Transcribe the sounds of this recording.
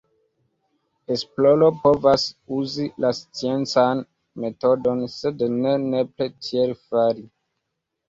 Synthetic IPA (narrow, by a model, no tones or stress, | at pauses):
esplo̞lo̞po̞vasuzilast͡sie̞nt͡san | me̞to̞do̞nse̞dnenepletʰielfaɾi